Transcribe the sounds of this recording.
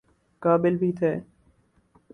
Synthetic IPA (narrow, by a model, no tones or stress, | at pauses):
kaːbɪlbʱit̪ʰeː